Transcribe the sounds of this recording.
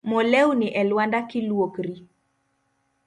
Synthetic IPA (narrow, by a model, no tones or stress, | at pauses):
mɔlɛwnɪʔɛlwandakɪlwokɾi